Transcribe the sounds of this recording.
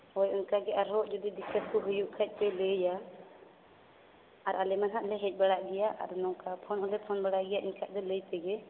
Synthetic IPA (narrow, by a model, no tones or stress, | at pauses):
hɔjɔnkaɡɛʔaɾɦɔʔd͡ʒud̪id̪ikəskɔɦujuʔkʰac̚ˀpɛləja | ɾʔalɛmanɦaʔlɛɦɛc̚ˀbaɽaʔɡɛjaʔa̰ɾnɔkapʰɔnɔlɛpʰɔnbaɽaʔɡɛjaʔiɲkʰaʔd̪ɛləjp̪ɛɡɛ